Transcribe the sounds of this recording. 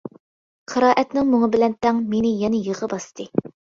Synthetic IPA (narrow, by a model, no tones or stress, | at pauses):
qʰəɾɑːʔɛt̪nɪŋmʊŋəbɪlɛnt̪ʰɛŋmenɪjɛnɛjəʁəbɑst̪ʰɨ